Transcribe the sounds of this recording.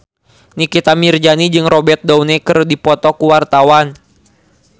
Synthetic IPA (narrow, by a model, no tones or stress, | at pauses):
nikit̪amird͡ʒanid͡ʒɨŋrɔbɛt̪̚daunɛkɨrdipɔt̪ɔkuwart̪awan